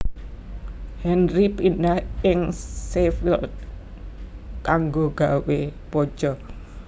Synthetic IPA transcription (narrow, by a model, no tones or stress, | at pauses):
hɛnripinahɪŋsefil | kaŋɡoɡ̥a̤wepɔ̥d͡ʒ̥ɔ